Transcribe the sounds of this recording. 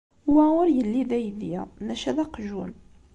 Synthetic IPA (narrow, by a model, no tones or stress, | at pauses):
wæwʊɾjəlːiðæjðjænæʃæðæqʒun